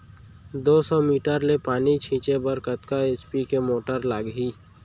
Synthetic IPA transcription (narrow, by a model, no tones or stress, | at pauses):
d̪oːsɔmiːʈəɾlepaːnit͡ʃʰĩːt͡ʃebəɾkət̪kaeːt͡ʃpikemoːʈəɾlaːɡɦiː